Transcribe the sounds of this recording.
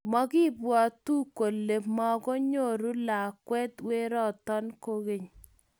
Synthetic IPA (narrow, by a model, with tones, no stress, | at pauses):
mɔ˦ki˦bwɔ˨tu˦ko˨lːe˨mɔ˦ɡɔ˦ɲo˦˨ɾu˦la˨kwɛ˦twe˦ɾɔ˦˨tɔ˦nko˦ɣe˨ɲ